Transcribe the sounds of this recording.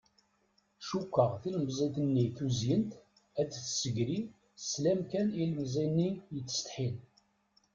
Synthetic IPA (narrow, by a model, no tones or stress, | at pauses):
ʃukʷːəʁθilbzˤiθənːiθuzjənt̪ | æd̪θsəɡɾi | slæmkænilmzˤinːijət͡sːə̥st̪ħin